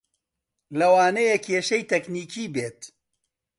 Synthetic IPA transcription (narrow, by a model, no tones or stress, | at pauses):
lɐwaːnɐjekʰeːʃɐjt̪ʰɐkniːkʰiːbeːt̪